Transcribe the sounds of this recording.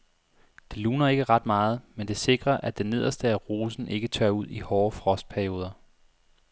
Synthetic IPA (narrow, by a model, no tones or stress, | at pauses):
d̥e̝luːnɐe̝ɡ̥əʁɑ̈d̥mɑ̈ːð̞̩ˠmend̥e̝se̝ɡ̥ʁɐʔæd̥ene̝ð̞ˠɐsd̥əæʁoːsn̩ʔe̝ɡ̥ət͡sʰɶɐuð̞̰ˠihɒːfʁɒ̽sd̥̚pʰæɐio̝ːð̞ˠɐ